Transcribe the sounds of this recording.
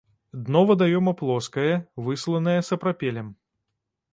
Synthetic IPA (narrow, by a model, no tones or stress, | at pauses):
d̪nɔvɐd̪ajɔmɐplˠɔskɐjɐvɨslˠɐnɐjɐsɐpɾapʲɛlʲɛm